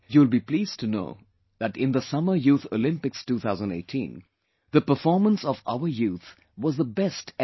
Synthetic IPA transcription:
juwɪlˠbipliːz̥tʰɨno̰ʊ | ðæʈɪ̃nðəsʌmə˞juːθo̰lɪ̃mpɨkstuːθaʊzə̃n̩ḛɪtʰḭ̃n | ðəpə˞fɔɹmə̃nsɔva̰ʊə˞juθ | wɔzðəbɛst

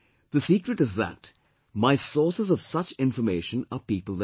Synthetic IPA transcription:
ðəsiːkɾɨʈɨzðæ̰t | maɪsɔɹsəzʌv̥sʌt͡ʃɪ̃ɱfəmeɪʃə̃nəpiːpəl̩ˠðə

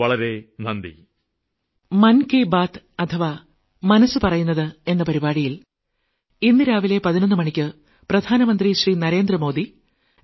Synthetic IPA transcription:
ɐɭɐɾe̞nɐnd̪ḭ | mɐnkeːbaːt̪ɐt̪ʰɐʋa | mɐnɐsːɨpɐrɐjunːɐðɨe̞nːɐpɐɾibaːɽijil | inːɨɾaːʋile̞pɐðinɐnːɨmɐɳikʲːɨ | prɐd̪ʱaːnɐmɐnd̪riɕriːnɐɾe̞ːnd̪rɐmo̞ːd̪i

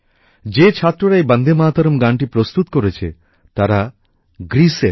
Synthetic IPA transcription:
d͡ʒet͡ʃʰat̪ːɾoɾajbənd̪ʱemaːt̪ɔɾɔmɡaɳʈipɾost̪ut̪koɾet͡ʃʰḛ | t̪aɾa | ɡɾiseɾ

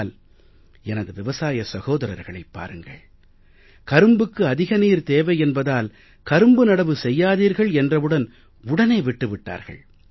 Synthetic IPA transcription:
l | ɛnɐðɯʋɪʋɐsaːjɐsɐɣoːðɐɾɐ̰ɾɣɐɭɐɪpːa̰ːɾɯŋɡɐ̰ɭ | kɐɾɯmbɯkːɯɐðɪɣɐniːɾt̪eːʋɐɪɛnbɐðaːl | kɐɾɯmbɯnɐɽɐʋɯsɛjːaːðiːɾɣɐɭɛndrɐʋɯɽɐn | ʊɽɐneːʋɪʈːɯʋɪʈːa̰ːɾɣɐ̰ɭ

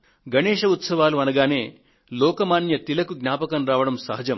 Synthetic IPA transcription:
ɡʱɐneːʃɐut̪sɐʋaːluɐnɐɡaːneː | lɔːkɐmaːnjɐt̪ilɐkuɡnʲaːpɐkɐnɾaːʋɐɽɐmsɐɦɐd͡ʒɐm

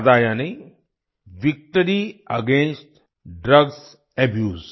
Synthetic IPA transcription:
d̪aːjane | ʋik̚ʈəɾiɐɡẽːnsʈ | ɖɾɐɡs | ɐbjuːz

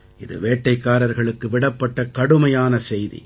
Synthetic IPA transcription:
ɪðɯ̰ʋeːʈːɐɪkːaːɾɐɾɣɐɭɯkːɯʋɪɽɐpːɐʈːɐkɐɽɯmɐjaːnɐsɛjðḭ

